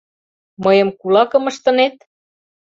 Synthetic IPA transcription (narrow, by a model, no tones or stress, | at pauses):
mɤjɤ̆mkulɑkɤ̆mə̆ʃt̪ɤ̆net̪̚